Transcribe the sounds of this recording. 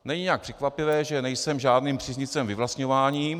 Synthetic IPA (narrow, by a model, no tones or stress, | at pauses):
nɛɲɪɲɛak̚pr̥ɛkvapɪvɛːʒɛnɛjsɛmʒaːdniːmpr̥izɲɪt͡sɛmvɪvlast̪ɲovaːɲiː